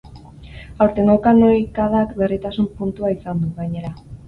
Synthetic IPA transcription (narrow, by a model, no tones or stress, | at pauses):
awɾt̪e̞ŋɡowkano̞jkaðakbe̞rit̪asumpunt̪uaisand̪uɣaɲe̞ɾa